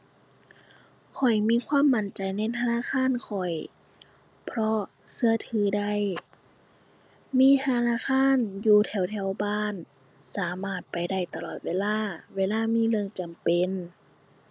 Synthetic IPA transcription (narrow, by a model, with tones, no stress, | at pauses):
kʰɔ˨˩jmiː˧˥˨kʰwaː˧˥˨mːa˧˦nt͡ɕa˨jna˧˩˨t̪ʰa˧naː˧˥˨kʰaː˧˥˨nkʰɔ˨˩j | pʰɾɔ˧ | sɯ˧ɐt̪ʰɯː˨˦da˧˩j | miː˧˥˨t̪ʰa˧naː˧˥˨kʰaː˧˥˨njuː˧t̪ʰɛ˧˩wt̪ʰɛ˧˩˨wbaː˧˥˨n | saː˨˦maː˧˩t̪̚pa˨jda˧˩jt̪a˧lɔː˧˩t̪̚weː˧˨laː˧˥˩weː˧˥˨laː˧˥˨miː˧˥˨lɯ˧ə˨ŋt͡ɕa˨mpe˨n